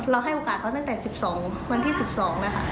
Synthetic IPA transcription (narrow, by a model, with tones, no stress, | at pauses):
ɾa˧wɦa˥˩jʔoː˨˩kaː˨˩t̪̚kɔː˧˥˩t̪a˥˩ŋt̪ɛː˨˩si˨˩p̚sɔː˩˦ŋwə˧nt̪ʰiː˥˩si˨˩p̚sɔː˩˦ŋnː˧˥˩kʰa̰˥˩